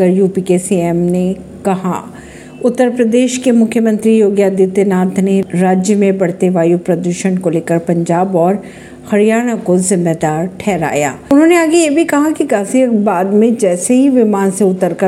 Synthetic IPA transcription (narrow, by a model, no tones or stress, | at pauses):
əɾjuːpikesiɛːmne | kɐɦa̰ | ʊt̪ːəɾpɾɐd̪eːʃkemʊkʰjəmɐ̃nt̪ɾijoːɡjad̪it̪enaːt̪ʰneɾaːd͡ʒjəmẽbɐɽ̤t̪eʋaːjupɾɐd̪uʃənkoleːkəɾpɐ̃ɲd͡ʒaːbɔːɾ | hɐɾijaːɽ̃akozɪ̃mbeːd̪aːɾʈʰɛːɾa̰ːja̰ːʊnɦõːneaːɡejebʱikɐɦakiɡaːsiəkbaːd̪mẽd͡ʒɛːseɦiʋɪmaːnseʊt̪ːəɾkə